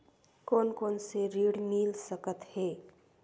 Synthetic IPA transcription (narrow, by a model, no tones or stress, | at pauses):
koːnkoːnseɾiɽmilsəkət̪heː